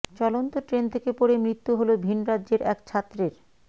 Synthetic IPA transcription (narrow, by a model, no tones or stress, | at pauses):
t͡ɕɔlont̪oʈɾent̪ʰekepoɽemɾit̪ːuɦolobʱinɾadʑeɾʔɛkt͡ɕʰat̪ːɾeɾ